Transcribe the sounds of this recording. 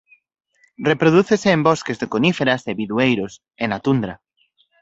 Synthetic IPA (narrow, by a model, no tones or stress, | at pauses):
repɾoðuθeseːmbɔskezðekonifeɾaseβiðuejɾos | enat̪und̪ɾa